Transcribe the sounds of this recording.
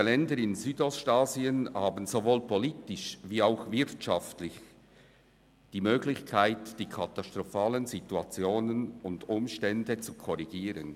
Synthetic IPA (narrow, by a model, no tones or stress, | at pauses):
əlɛndəɾɪnzyːdɔstaːziənhaːbn̩zovoːlpʰɔliːtɪʃviːaʊxvɪɾtʃɑftlɪç | d̥iːmøːɡlɪçkʰaɪtd̥iːkʰɑtastʁɔfaːlənzituat͡sjoːnənʊndʊmʃtɛndət͡sukʰɔʁiɡ̥iːɾən